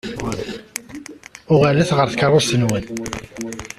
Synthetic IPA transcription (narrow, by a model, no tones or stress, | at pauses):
ʊʁælæθʁəɾθkərˤːʊt̪ənwən